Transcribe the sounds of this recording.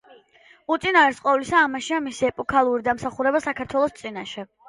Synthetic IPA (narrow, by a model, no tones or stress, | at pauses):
ut̪sʼinaɾɛɾsqʼɔvlisaːmaʃiamisiɛpʼɔkʰalˠuɾid̪amsaχuɾɛbasakʰaɾt̪ʰwɛlˠɔst̪sʼinaʃɛ